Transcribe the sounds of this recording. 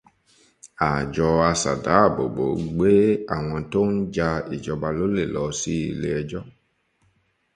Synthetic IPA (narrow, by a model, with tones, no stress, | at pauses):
a˨d͡ʒɔ˧a˧sa̰˨da̰˨˦˨bo̰˨bo˨˦ɡ͡be˦a˨w̃ɔ̃˧to˦n̩˦d͡ʒa˧i˨d͡ʒɔ˧ba˧lo˦le˨lɔ˨˦si˦˨le˧˦ɛ˧d͡ʒɔ˦